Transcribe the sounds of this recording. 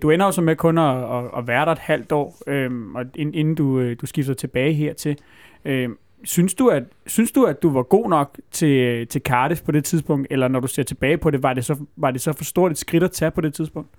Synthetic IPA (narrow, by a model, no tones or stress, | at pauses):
d̥uen̰ɐjo̝sɒ̽mekʰɔ̽nɒːʋæːɐɾɑ̈e̝d̥hæl̰d̥ɒ̰ːømɒ̽ene̝nn̩d̥uød̥usɡ̥ifd̥t͡sʰe̝b̥ɛːɪɦeɐ̰t͡sʰe̝l | ø | synsd̥uæ̥synsd̥uæd̥uʋɑ̈ɡ̥o̝̰ːnɒ̽ɡ̥̚t͡sʰe̝lt͡sʰe̝lkʰɑ̈ːɾispʰɒ̽det͡sʰið̞ˠsb̥ɔ̽ŋ̰d̥elɐnɒɾuse̝ɐ̰t͡sʰe̝b̥ɛːɪpʰɒ̽ɾe̝ʋɑ̈de̝sɒ̽ʋɑ̈d̥e̝sɒ̽fɒ̽sd̥o̝ɐ̰lid̥sɡ̥ʁiɾ̥æt͡sʰæpʰɒ̽ɾe̝t͡sʰiðˠsb̥ɔ̽ŋ̰d̥